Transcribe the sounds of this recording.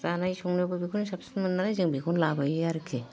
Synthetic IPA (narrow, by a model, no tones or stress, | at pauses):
ɾanajsɔŋnɔbɯbikʰɔnsapsɯnmɯnːaɾajzɯŋbikʰɔnlabajaɾɯkʰe